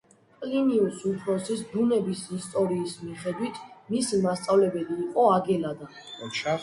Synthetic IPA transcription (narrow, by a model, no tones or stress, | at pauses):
kʼliniusupʰɾɔsisd̪unɛbisist̪ʼɔɾiːsmiχɛd̪wit̪ʰmisimast̪sʼavlɛbɛliːqʼɔaɡɛlad̪a